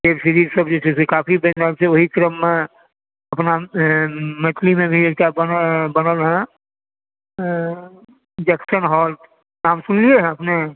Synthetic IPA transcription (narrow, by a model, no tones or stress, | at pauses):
teːbʃəɾiːɾsəbd͡ʒot͡ʃʰeekaːpʰibənalseʋoɦikɾəmːẽ | ɐpna | mə̃t̪ʰlimẽbʱieːʈabənbənəlɦɛ̃ | d͡ʒɛksənɦɔːl | naːmsʊnlieɦɛ̃ɐpne